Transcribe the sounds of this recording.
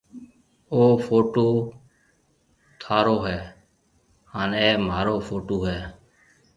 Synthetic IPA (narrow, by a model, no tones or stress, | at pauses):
oːfʰoːʈoː | t̪ʰaːɾoːɦɛː | haːneːmaːɾoːfʰoːʈoːɦɛː